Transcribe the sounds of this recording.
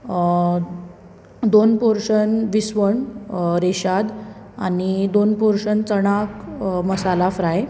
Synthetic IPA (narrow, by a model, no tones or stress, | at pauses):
d̪onpoɾʂənʋisʋəɳɾeɕad̪ | a̰nid̪onpoɾʂənt͡səɽ̃akməsalafɾae